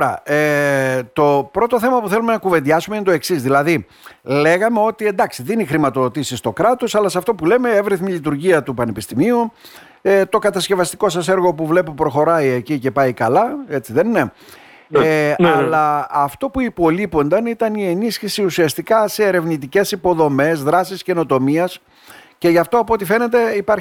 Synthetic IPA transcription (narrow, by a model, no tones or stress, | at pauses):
oɾɐ̰et̪o̞pɾo̞t̪o̞θe̞mɐpuθelume̞nɐkuve̞nd̪ʝɐsumeint̪o̞e̞ksizðilɐði | le̞ɣɐme̞o̞t̪ie̞nd̪ɐksiðenixɾimɐt̪o̞ðo̞t̪isist̪o̞kɾɐt̪o̞sɐlɐsɐft̪o̞pule̞me̞e̞vɾiθmiʎit̪uɾʝiɐt̪upɐnepist̪imiu | et̪o̞kɐt̪ɐsce̞vɐst̪i̥ko̞sɐse̞ɾɣo̞puvle̞pupɾo̞xo̞ɾɐiecice̞pɐikɐlɐe̞t͡siðenne | eɐlɐːft̪o̞puipo̞lipo̞nd̪ɐnit̪ɐnie̞nisçisiusiɐst̪ikɐse̞ːɾe̞vnit̪̬ice̞sipo̞ðo̞me̞zðɾɐsisce̞no̞t̪o̞miɐs | ce̞ʝɐft̪oɐpot̪ife̞ne̞t̪e̞ipɐɾ